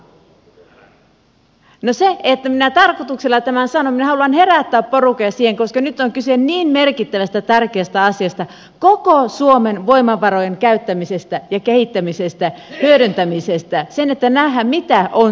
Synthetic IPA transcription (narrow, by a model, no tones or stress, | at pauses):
noseet̪ːæminæt̪ɑrkot̪ukselːɑt̪æmænsɑnominæhɑluɑnhe̞ræt̪ːæːpporukojɑsiːheŋkoskɑnyt̪ːˑoŋkysenniːnmerkit̪ːæʋæst̪æt̪ærkeæst̪æɑsiɑst̪ɑ | kokosuomenʋoimɑʋɑɾojeŋkæyt̪ːæmisest̪æjɑkehit̪ːæmisest̪æhyøɾynt̪æmisest̪æsenet̪ːænæhːæmmit̪æʔon